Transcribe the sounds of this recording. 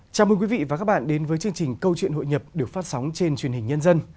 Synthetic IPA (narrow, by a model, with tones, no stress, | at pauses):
t͡ɕaː˨˩wmə˧nkwi˨˦vḭ˧˨va˨˩kaː˦˥k̚ɓa̰ː˧˨nɗe˨˦nvəː˨˦jt͡ɕɨ˧əŋt͡ɕï˨˩ŋ̟kə˧wt͡ɕwḭ˧˨ənɦo̰˧˨jɲə˨˩p̚ɗɨ˨˩ək̚faː˦˥t̚sa˨˦wŋ͡mt͡ɕe˧nt͡ɕwi˨˩ənhï˨˩ŋ̟ɲə˧nzə˧n